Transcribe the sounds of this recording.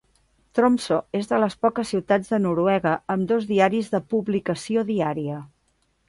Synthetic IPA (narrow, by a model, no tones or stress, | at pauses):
t̪ɾomsoezðələspɔkəsiwt̪ad͡zðənuɾuɛɣəəmd̪ozðiaɾizðəpuβlikəsioðiaɾiə